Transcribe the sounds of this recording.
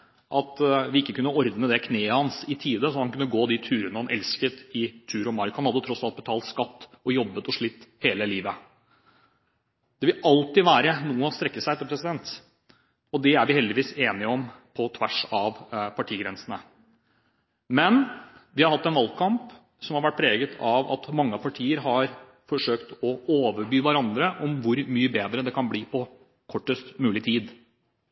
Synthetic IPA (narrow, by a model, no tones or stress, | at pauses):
ʔɑt̪ʋɪɪkːəkʉnːəɔɾd̪nəd̪ɛkʰneːəhɑnsɪt̪ʰiːd̪əsɔhɑnkʉnːəɡoːd̪ɪt̪ʰʉːɾənəhɑnʔɛlskət̪ɪt̪ʰʉːɾɔmɑɾkhɑnɑd̪ːət̪ʰɾɔsɑlt̪̚bət̪ʰɑːlt̪skɑt̪ːɔjɔbːət̪ɔʂɭɪt̪ːheːləliːʋə | d̪̥ɛʋɪlɑlt̪ɪʋæːɾənuːəɔst̪ɾɛkːəsæɪɛt̪ːəpʰɾɛsɪd̪ɛnt̪ | ɔd̪ɛæɾʋɪhɛld̪ɪʋiːseːnɪɔmpʰɔt̪ʰʋæʂɑʋpʰɑʈʰiːɡɾɛnsənə | mɛnʋɪhɑɾhɑt̪ːɛnʋɑlkʰɑmp | sɔmhɑɾʋæʈ̚pʰɾeːɡət̪ʰɑʋɑ̰t̪mɑŋːəɑpʰɑʈʰiːəɾɦɑɾ | fɔʂøːkt̪ɔoːʋəɾbyːʋæɾɑnd̪ɾəʔɔmʋʊɾmyːəbeːd̪ɾəd̪ɛkʰɑnbliːpʰɔ | kʰɔʈːəst̪mʉːlɪt̪ʰiːd̪